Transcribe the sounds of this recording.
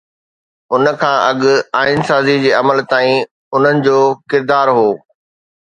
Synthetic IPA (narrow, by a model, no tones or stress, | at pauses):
ʊnə̆kʰãːʔɐɠʊ̆aːɪnsaːzid͡ʑeːɐməlt̪aːĩ | ʊn̤ənɪ̆d͡ʑoːkɪɾd̪aːɾɦoː